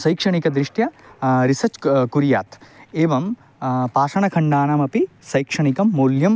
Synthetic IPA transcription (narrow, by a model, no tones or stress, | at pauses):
sɐjkʂɐɳ̃ikɐd̪ɾɪʂʈjɐɾisɐt͡ʃkuɾja̰ːt̪eːʋɐm | paːʃɐɳɐkʰɐɳɖaːnɐmɐpi | sɐjkʂɐɳ̃ikɐmːoːljɐm